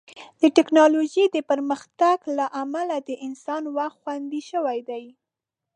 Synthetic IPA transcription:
d̪̥əʈɪknɑloʒid̪əpəɾməxt̪aɡlaʔamalad̪əʔɪnsɑnwaxt̪xwand̪iʃəwajd̪aj

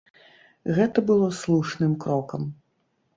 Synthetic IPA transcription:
ɣɛt̪ɐbɨlˠɔslˠuʂnɨmkɾɔkɐm

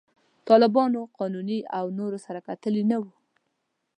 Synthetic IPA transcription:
t̪ɑlɪbɑnoqɑnuniawnoɾosaɾakat̪əlinawu

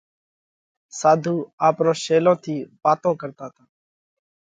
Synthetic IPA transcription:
saːd̪ʱuːaːpɾoːʃeːlõːt̪ʰiːbaːt̪õːkəɾt̪aːt̪aː

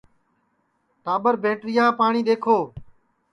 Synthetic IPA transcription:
ʈaːɓəɾbʱẽːʈɾɪjãːpaːɳĩːɗeːkʰoː

